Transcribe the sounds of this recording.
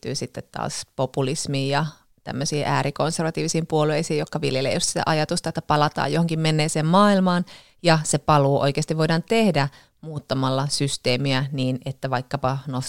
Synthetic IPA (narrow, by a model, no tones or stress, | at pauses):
t̪yːsit̪ːet̪tɑ̰ːspopulismiːjɑ | t̪æ̰mːøsiːʔæːɾikonserʋɑt̪iːʋisiːmpuolueisiːjokːɑʋiljelḛjust̪sit̪æ̰ʔɑjɑt̪ust̪ɑet̪ːæ̥pɑlɑt̪ɑ̰ːjohoŋkimmenːeːseːmmɑːilmɑːn | jɑsepɑluːʔo̰ikeɑst̪iʋoidɑnt̪ehdæ | muːt̪ːɑmɑlːɑsyst̪eːmiæniːnet̪ːæʋɑikːɑpɑnos